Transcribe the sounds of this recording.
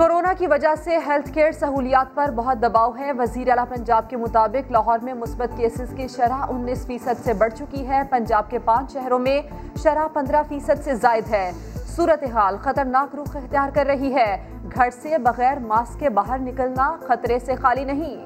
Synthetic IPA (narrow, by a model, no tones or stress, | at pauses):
koːɾoːnakiʋɐd͡ʒaseɦɛlt̪ʰkeːɾsɐɦuːlijaːt̪̚pɐɾbɐɦɔt̪̚d̪ɐbaːoɦɛʋɐziːɾeaːlapɐ̃ɲd͡ʒaːb̚kemʊt̪aːbɪklaːɦɔːɾmẽmʊsbət̪keːsɪzkiʃɐɾaʔʊnːiːsfiːsəd̪sebɐɽ̤t͡ʃʊkiɦɛːpɐ̃ɲd͡ʒaːb̚kepãːt͡ʃʃɛɦɾõmẽ | ʃɐɾapɐ̃nd̪ɾafiːsəd̪sezaːɪd̪ɦɛː | suːɾət̪eɦaːlxɐt̪əɾnaːkɾʊxɪxt̪ijaːɾkɐɾːɐɦiɦɛː | ɡʱɐɽsebɐɣɛːɾmaːskːebaːɦəɾnɪkəlnaxɐt̪ɾesexaːlinɐɦĩ